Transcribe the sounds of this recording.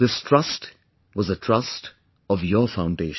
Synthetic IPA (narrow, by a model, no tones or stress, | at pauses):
ðɪstʰɹ̥ʌst | wʌzətʰɹ̥ʌst | ʌvjə˞fãʊ̃ndeɪʃ